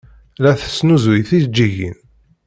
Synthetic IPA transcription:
læθə̥sːnuzwijθid͡ʒːiʝḭn

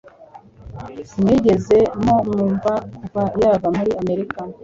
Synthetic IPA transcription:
mŋiːɟe̞ze̞mo̞muːɱvakuvajaːvamuɾiame̞ɾika

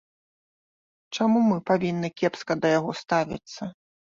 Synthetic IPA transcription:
t͡ʂamumɨpavʲinːɨkʲɛpskɐd̪ɐjaɣɔst̪avʲḭt̪sːɐ

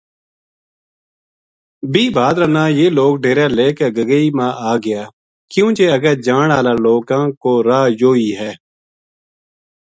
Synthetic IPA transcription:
biːbʱaːd̪ɾənaːjeːloːɡɖeːɾeːleːkeɡəɡəiːmãːʔaːɡɪjaː | kjũːt͡ʃeːəɡəɾd͡ʒaːɳaːlaːloːkãːkoːɾaːjoːiːɦɛː

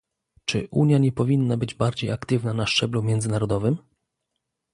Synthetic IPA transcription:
t͡ʂɘ̰ʔuɲjaɲɛpɔvʲinːabɘd͡ʑbaɾd͡ʑejakt̪ɘvnanaʂt͡ʂɛblumʲjɛnd̪zɘnaɾɔd̪ɔvɘm

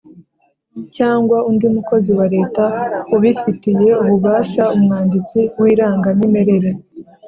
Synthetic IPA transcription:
caːŋɡwaundimuko̞ziwaɾe̞ːtaoβifitije̞uβuβaːʃaumŋaːndit͡siwiːɾaːŋɡanime̞ɾe̞ɾe̞

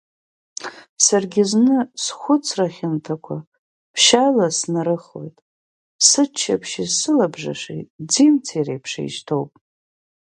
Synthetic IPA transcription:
sarɡʲɪznɨsχʷʊt͡sʰraχʲɪntʰakʷʰa | pʰʃalasnaɾɨχo̞̰jtʼ | sɨt͡ʃʰːapʰʃizsɨlabʐa̰ʂḛtʼd͡zimt͡sʰirḛjpʰʂḛjʃtʰowpʼ

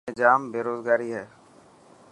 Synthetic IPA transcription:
ed͡ʒaːmbeːɾoːzɡaːɾiɦɛː

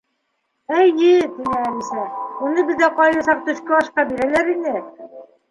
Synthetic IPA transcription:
æjɘt̪inɘælʲisæunɤbɘ̆ðdæqɑjlɑsɑp̚t̪ɵ̆ɕkɤɒʃqɑbiɾælæɾinɘ

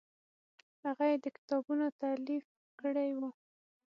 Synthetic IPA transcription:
haɣajed̪əkɪ̥t̪ɑbunot̪alif | kəɽajwu

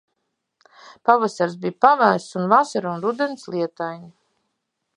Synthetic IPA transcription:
pavasaɾsbijpavæːst̪sunvasaɾunɾud̪ɛnslˠiɛt̪ajɲi

